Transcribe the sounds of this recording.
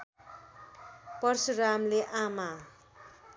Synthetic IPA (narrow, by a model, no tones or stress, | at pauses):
pʌrsuramleʔama